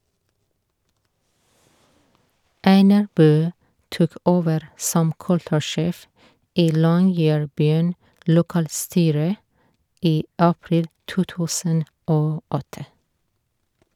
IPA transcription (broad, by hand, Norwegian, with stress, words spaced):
ˈæɪnɑɹ ˈbøː ˈtuːk ˈoːʋəɾ ˈsɔm ˈkʉltʉˌʃeːf ˈiː ˈlɔŋjɛɹˌbyːn lʊˈkɑːlˌstyːɾə ˈiː ˈʔɑpɹɪl ˈtuː ˈtʉːsən ˈʔoː ˈʔɔtə